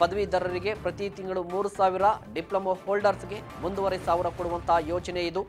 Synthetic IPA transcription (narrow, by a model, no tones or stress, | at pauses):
pɐd̪ɐʋid̪ɐɾɐɾiɡe̞pɾɐt̪it̪iŋɡɐɭumuːɾusaːʋiɾɐɖiplɐmohoːlɖɐɾsɡe̞ | ʋond̪uʋɐɾesaːʋuɾɐkoɽuʋɐnt̪ʰɐːjoːt͡ʃɐneid̪u